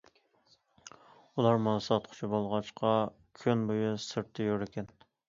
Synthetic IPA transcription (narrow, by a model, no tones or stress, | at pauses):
ulˠɑɾmunsɑt̪̚qʰʊ̥t͡ʃʰibolˠʁɑt͡ʃqʰɑ | kʲʰønbojusɨɾt̪ʰːejoɾɪkʲʰɛn